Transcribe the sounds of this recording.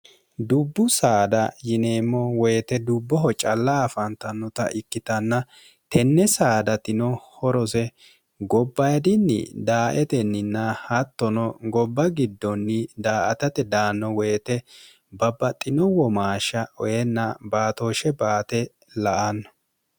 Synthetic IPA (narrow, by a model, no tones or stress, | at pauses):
d̪ʊbːʊsaːd̪ɐjɪneːmːɔwɛjt̪ɛd̪ʊbːɔɦɔt͡ʃʼɐlːaːfɐnt̪ɐnːɔt̪ɐ̰ʔɪkːɪt̪ɐnːɐ | t̪ɛnːɛsaːd̪ɐt̪ɪnɔhɔɾɔsɛ | ɡɔbːɐjɐd̪ɪnːɪ̰d̪aːʔɛt̪ɛnːɪnːɐhɐt̪ːɔnɔɡɔbːɐɡɪd̪ːɔnːɪd̪aːʔɐt̪ɐt̪ɛd̪aːnːɔwejːt̪ɛ | bɐbːɐt̪ʼːɪnɔwɔmaːʃːɐɔjɛnːɐbaːt̪oːʃɛbaːt̪ɛ | lɐʔɐnːɔ